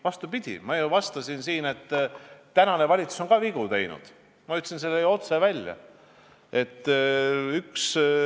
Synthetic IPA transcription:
vɑst̪upid̪̥ʲḭmɑjuvɑst̪ɑsinsiːne̞t̪ːænɑne̞vɑlʲit̪su̥so̞ŋkɑviɡ̥ut̪e̞jnṵd̪̥ | mɑyt̪ːsins̬elːejo̞t̪sevælʲjɑ̰ | e̞t̪ːyks

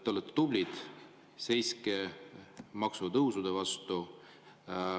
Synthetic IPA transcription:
t̪ːolːet̪ːt̪ublʲid̪̥ | se̞jske | mɑksut̪ɤwsud̪̥evɑst̪u

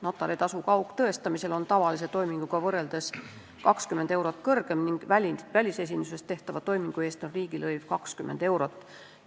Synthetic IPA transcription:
no̞t̪ːˑɑɾit̪ɑsukɑukːt̪ɤe̞st̪ɑmise̞lo̞nt̪ɑvɑlis̬et̪o̞jmiŋɡ̥uɡ̥ɑvɤrːe̞ld̪̥es | kɑkskymend̪̥e̞wɾot̪ːˑkɤrɡ̥e̞mniŋɡ̥vælʲinvælʲise̞s̬ʲinuse̞st̪ːe̞ht̪ɑvɑt̪o̞jmiŋɡ̥ue̞ːst̪nonriːɡ̥ilɤjv̥kɑkskymʔend̪e̞wɾo̞t̪ˑː

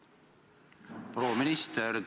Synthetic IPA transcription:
pʰɾoːmɪnɪst̪əɾd

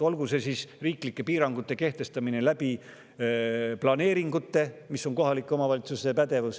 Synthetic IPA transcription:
ɑlɡuse̞sisriːklikːˑe̞piːɾɑŋɡ̥ut̪ːˑe̞ke̞ht̪e̞st̪ɑmine̞læb̥i | plɑne̞ːɾiŋɡut̪ːe̞miso̞nko̞ɦɑlikˑːo̞mɑvɑlit̪susepæd̪̥e̞vus

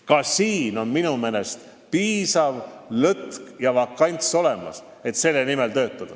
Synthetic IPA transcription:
kɑsiːno̞nminumene̞st̪ | piːsɑvlɤt̪kjɑvɑkːˑɑnʲt̪so̞le̞mɑ̰s | e̞t̪se̞lːenime̞lt̪ø̞ːt̪ːˑɑd̪̥ɑ

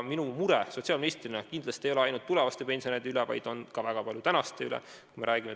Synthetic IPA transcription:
minumuɾeso̞t̪siɑlminist̪rinɑkind̪̥lɑst̪iejo̞leɑjnult̪ːule̞vɑst̪epe̞nsionejd̪eylevɑ̰jd̪̥o̞nkɑvæɡ̥ɑpɑlʲjut̪ænɑst̪e̞ylḛ | kume̞ɾʔæːɡ̥ime

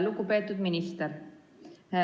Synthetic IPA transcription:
lukupet̪ːud̪minist̪ɛɾ

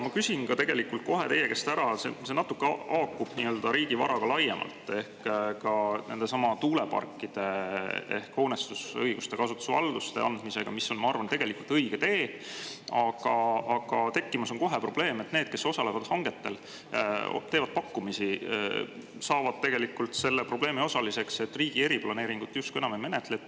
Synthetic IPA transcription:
mɑkysʲinkɑt̪e̞ɡ̥e̞likːult̪̚ko̞ɦe̞t̪ejeke̞st̪æɾɑsese̞nɑt̪ːˑukːeɑɑːkːˑub̥niːøːld̪̥ɑɾiːɡ̥ivɑ̰ɾɑɡ̥ɑlɑjemʔɑ̰lt̪ːˑe̞hkkɑne̞̰nd̪e̞sɑmɑt̪uːle̞pɑ̰rkːˑid̪̥e̞e̞̰hko̞nest̪usɤjɡ̥ust̪e̞kɑsut̪ːu̥svɑld̪̥ust̪eʔɑnd̪mise̞ɡ̥ɑmisːo̞nmɑɑrvɑnt̪e̞ɡ̥e̞likult̪ɤjɡ̥e̞t̪e̞ː | ɑɡ̥ɑɑɡ̥ɑt̪e̞kːimɑso̞nko̞ɦe̞pro̞b̥le̞ːme̞t̪neːd̪̥ke̞so̞sɑle̞vɑd̪̥hɑŋɡ̥e̞t̪ːe̞l̰ | t̪e̞ːvɑd̪̥̚pɑkːˑumisi | sɑːvɑd̪̚t̪e̞ɡ̥e̞likːult̪se̞lːepro̞b̥le̞ːmio̞sɑlise̞kse̞t̪ːˑriːɡ̥ie̞ɾiplɑne̞ːɾiŋɡ̥ut̪ːˑjust̪kue̞nɑmeme̞net̪let̪ː

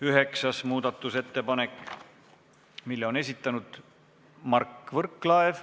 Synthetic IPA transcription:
yɦe̞ksɑsmuːd̪̥ɑt̪ːˑuse̞t̪ːe̞pɑnekː | milːeo̞ne̞s̬ʲit̪ˑːɑnud̪̥ | mɑrkːˑvɤrkːˑlɑev

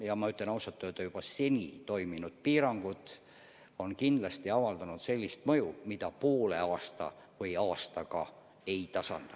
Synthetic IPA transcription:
jɑmɑyt̪le̞nɑwsɑt̪ːˑuet̪ːɑjub̥ɑse̞nʲit̪o̞jminud̪̥̚piːɾɑŋɡ̥ut̪ˑ | o̞nkind̪lɑst̪iɑvɑld̪ɑnud̪̥se̞lʲːist̪mɤjumid̪̥ɑpo̞ːle̞ɑːst̪ɑ̰ | vɤjɑːst̪ɑkɑ̰ | e̞jt̪ɑsɑ̰nd̪̥ɑ

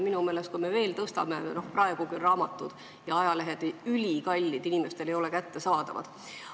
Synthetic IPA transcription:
minume̞ːle̞st̪kume̞ve̞ːlt̪ɤst̪ɑ̰meno̞hprɑe̞ɡ̥ukyrɑːmɑt̪ːˑud̪̥ | jɑɑjɑle̞ɦed̪eylʲikɑlʲːid̪inʲime̞st̪e̞le̞jo̞le̞kæt̪ːe̞sɑːd̪̥ɑ̰vɑ̰d̪̥

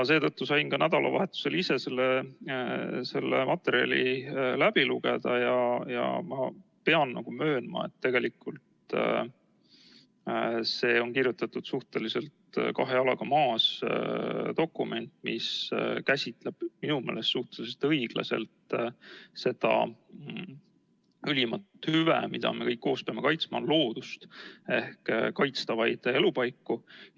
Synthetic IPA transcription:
ɑse̞ːt̪ɤt̪ːusɑjnkɑnæd̪̥ɑlʔɑ̰vɑ̰ɦe̞t̪ːˑu̥se̞lise̞se̞lːe | se̞lːḛmʔɑt̪ːˑeɾiɑ̰lḭlæb̥iluɡ̥e̞d̪ɑjɑjɑ̰mɑpe̞ɑnːɑɡ̥umø̞ːnmɑ̰e̞̰t̪ːe̞ɡe̞likːult̪ | se̞ːo̞nkirjut̪ːˑɑt̪ːud̪̥suht̪e̞lise̞lt̪kɑɦe̞ɑlɑɡ̥ɑmɑːs | d̪o̞kːˑume̞nʲt̪ˑmḭskæsʲit̪leb̥minumeːlest̪suht̪else̞lt̪ɤjɡ̥lɑ̰se̞̰lt̪ | se̞d̪̥ɑ̰ | ylʲimɑt̪hyvḛmid̪̥ɑ̰me̞kɤjkːo̞ːspe̞ɑme̞kɑjt̪smɑnlo̞ːd̪̥ust̪e̞hkkɑjt̪st̪ɑvɑjd̪̥e̞lupɑjkːu

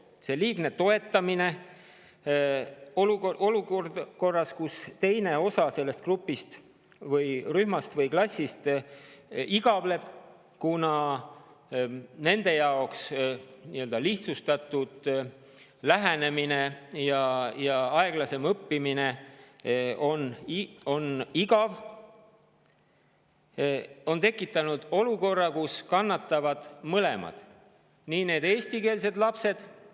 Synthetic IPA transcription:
se̞liːɡ̥ne̞t̪o̞e̞t̪ːˑɑmine̞ | oluoʔo̞lukord̪ko̞rːɑskust̪e̞jne̞o̞sɑse̞lːe̞st̪krupːˑist̪ | vɤjɾyhmɑst̪vɤjklɑsʲːist̪ | iɡ̥ɑvle̞b̥̚ | kunɑ | ne̞nd̪̥e̞jɑoksniø̞ld̪̥ɑliht̪sust̪ɑt̪ud̪̥ | læɦæne̞mine̞jɑjɑɑe̞ɡ̥lɑse̞mɤpːimine | o̞no̞niɡɑv | o̞nt̪e̞kːˑit̪ːˑɑnud̪̥o̞luko̞rːɑkuskɑnːɑt̪ˑːɑvɑd̪̥mɤle̞̰mɑ̰d̪̥ | niːne̞ːd̪eːsʲt̪ike̞ːls̬e̞d̪lɑpse̞d̪̥

